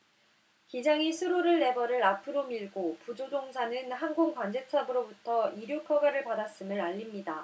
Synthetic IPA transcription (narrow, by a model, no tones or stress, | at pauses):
kid͡ʑaŋisʰuɾoɾɯɭːe̞bʌɾɯɾapʰɯɾomiɭɡopud͡ʑodoŋsʰanɯnɦanɡoŋkwand͡ʑe̞t͡ɕʰabɯɾobutʰʌiɾjukʰʌɡaɾɯɭpadas͈ɯmɯɾaʎːimɲida